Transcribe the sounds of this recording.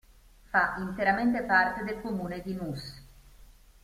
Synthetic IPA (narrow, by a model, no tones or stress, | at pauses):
faʔint̪eɾament̪̬epart̪ed̪elkomuːned̪imus